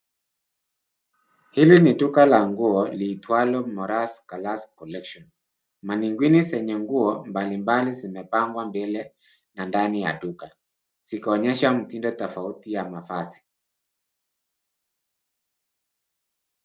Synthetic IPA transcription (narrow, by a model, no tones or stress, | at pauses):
hiliniɗukalaŋɡuɔliːtwalɔmɔɾaskalaskɔlɛkʃɔn | maniŋɡwinisɛɲɛŋɡuɔmbalimbalizimɛpaŋɡwambɛlɛ | nandanija̰ɗuka | sikaɔɲɛʃam̩tindɔtɔfautijamafasi̥